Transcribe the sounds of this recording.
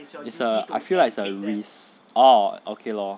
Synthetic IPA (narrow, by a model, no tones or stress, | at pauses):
ɪtsəa̰ɪfilaɪksəɹis | oʔokʰelɔ